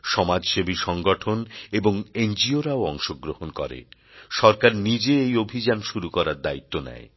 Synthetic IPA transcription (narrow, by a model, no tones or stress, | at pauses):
ʃɔmad͡ʑʃebiʃɔŋɡɔʈʰoneboŋend͡ʑioɾaoɔŋʃoɡɾohonkɔ̰ɾḛ | ʃɔɾkaɾnid͡ʑeejobʱid͡ʑanʃuɾukɔɾaɾd̪ait̪ːonɛ̰e